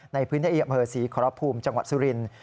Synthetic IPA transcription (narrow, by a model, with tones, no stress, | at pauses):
na˧jpʰɯː˦˥nt̪ʰiː˥ʔiː˧a˧˩mpʰɤː˧˩siː˩˦kʰɔː˨˦ɾɔ˦˥pʰuː˧mt͡ɕa˧ŋwa̰˨˩su˧ɾi˧n